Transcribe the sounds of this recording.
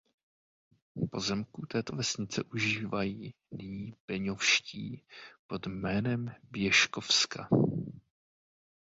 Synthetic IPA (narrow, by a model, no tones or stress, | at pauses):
po̞zɛmkut̪ɛːt̪o̞vɛsɲɪt͡sɛʔuʒiːvajiː | niɲːiːb̥ɛɲofʃciːpo̞d̪mɛːnɛmbjɛʃko̞fska